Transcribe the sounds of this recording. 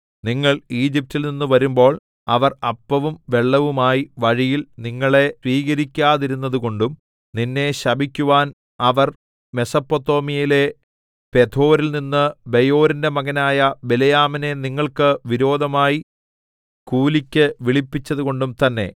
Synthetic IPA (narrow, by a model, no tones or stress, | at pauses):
niŋːɐɭiːd͡ʑip̚tːilninːuʋɐɾumbo̞ːɭ | ɐʋɐrɐpːɐʋumʋe̞ɭːɐʋumaːjiʋɐɻijilniŋːɐɭe̞sʋiːɣɐɾikʲːaːðiɾunːɐðuko̞ɳɖum | ninːe̞ɕɐbʱikʲːuʋaːn | ɐʋɐr | me̞sɐpːot̪ːo̞ːmijile̞ | pe̞t̪ʰo̞ːɾilninːɨbejo̞ːɾinde̞mɐɣɐnaːjɐbelejaːmine̞niŋːɐɭkɨʋiɾo̞ːd̪ʱɐmaːji | kuːlikʲːɨʋiɭipːit͡ɕːɐðuko̞ɳɖumt̪ɐnːe̞̰